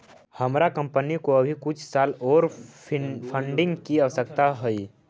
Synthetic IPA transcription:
hɐmɾakə̃mpənikoɐbʱikʊt͡ʃʰsaːlɔːɾ | pʰə̃ɳɖɪ̃ŋɡkiaʋəsək̚t̪aɦoi

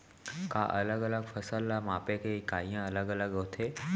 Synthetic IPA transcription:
ka̰ʔɐləɡələɡfɐsəlːamaːpekeɪkaːijãɐləɡɐləɡɦoːt̪ʰeː

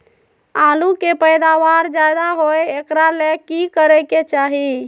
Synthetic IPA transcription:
alukepəjd̪aʋaɾd͡ʒajd̪aɦojekɾalekikəɾɛket͡ʃaɦi

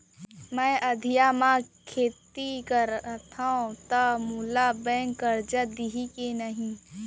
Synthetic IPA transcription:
mɛ̃ːʔəd̪ʱijamãkʰeːt̪ikəɾt̪ʰaõt̪əmulabɛ̃ːŋkːəɾd͡ʒəd̪iɦikenəɦĩ

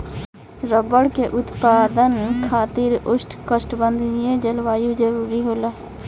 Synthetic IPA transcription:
ɾəbəɽkeʔʊt̪paːd̪ənkʰaːt̪iɾʊsʈkəsʈbənd̪ʱnijed͡ʒəlʋaːjud͡ʒəɾuːɾiɦoːlaː

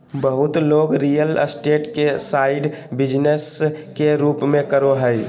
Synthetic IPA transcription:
bəɦʊt̪loːɡɾijələsʈeʈkesaɪɖbɪd͡ʒneskeɾuːpmẽkəɾoɦəj

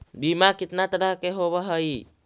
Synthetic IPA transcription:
bimakit̪nat̪ədakeɦoβaɦəi

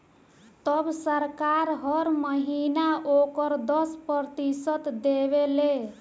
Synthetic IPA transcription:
t̪ʌbsəɾkaɾɦʌɾməɦinaʔokəɾd̪ʌspəɾt̪isət̪d̪eβele

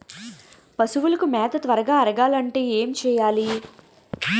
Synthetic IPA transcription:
pɐsuʋulɐkumɛːt̪ɐt̪ʋɐɾɐɡaːɐɾɐɡaːlɐɳʈe̞ːeːmt͡ʃɛːjaːli

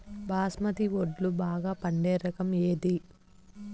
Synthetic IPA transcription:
bʱaːsmɐt̪iʋoɖlubaːɡaːpɐɳɖeːɾɐkɐmeːd̪i

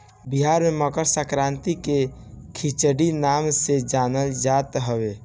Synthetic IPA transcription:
biɦaɾmeməkəɾsəkɾãnt̪ikekʰit͡ʃəɖinamsed͡ʒanəld͡ʒat̪ɦəbe

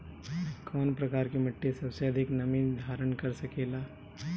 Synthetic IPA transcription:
kɔːnpɾɐkaːɾkemɐʈːesɐbseɐd̪ʱɪknɐmid̪ʱaːɾəɳkɐɾsɐkeːlaː

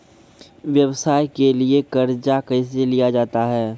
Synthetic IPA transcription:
ʋjɐwsaːjkeliekɐɾd͡ʒakɐɪs̬elijad͡ʒaːt̪aɦɛː

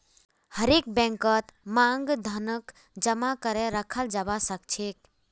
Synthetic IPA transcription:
həɾek̚bɛ̃ŋkət̪maŋɡd̪ʱənək | d͡ʒəmakəɾɛɾəkʰəld͡ʒabasək̚t͡ʃʰek

